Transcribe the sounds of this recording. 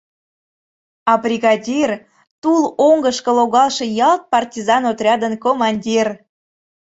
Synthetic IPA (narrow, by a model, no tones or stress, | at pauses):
ɑbrʲiɣɑdʲir | t̪uloŋɡəʃkə̆loɣɑlˠʃejɑlt̪̚pɑrtʲizɑnot̪rʲɑd̪ənkomɑnʲdʲir